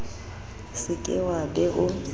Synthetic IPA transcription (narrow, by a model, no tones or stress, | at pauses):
sɪkʼɪ̰wabɛʔʊ